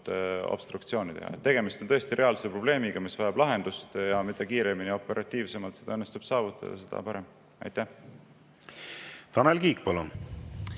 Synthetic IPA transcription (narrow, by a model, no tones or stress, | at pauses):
t̪o̰b̥st̪rukt̪sio̞ːnit̪e̞hɑ̰et̪ːe̞ɡ̥e̞mist̪onɤ̞est̪iɾe̞ɑlseprob̥le̞ːmiɡ̥ɑmisvɑjɑb̥lɑɦend̪̥ust̪jɑmid̪̥ɑkiːɾe̞minio̞pːˑe̞ɾʔɑt̪ːˑiːvse̞mɑlt̪se̞d̪ɑɤnːest̪ub̥sɑːvut̪ːˑɑ̰d̪̥ɑ̰sed̪̥ɑ̰pɑɾe̞m | ɑ̰jt̪ːˑæh | t̪ɑnelkiːk̚pɑlun